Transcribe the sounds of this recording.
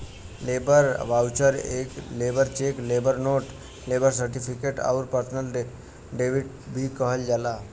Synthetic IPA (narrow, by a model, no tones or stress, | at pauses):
lebəɾʋawt͡ʃəɾeklebəɾt͡ʃeklebəɾnoːʈ | lebəɾs̬əɾʈipʰikeʈa̰ʊɾpəɾt̪ʰnəl | ɖeʋiʈ | bʱikəɦəld͡ʒala